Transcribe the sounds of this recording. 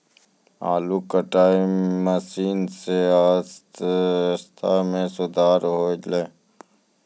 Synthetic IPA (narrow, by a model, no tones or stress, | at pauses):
a̰ːluːkəʈaːiməsiːnseaːs | st̪ʰamẽsʊd̪aːɾɦoːleː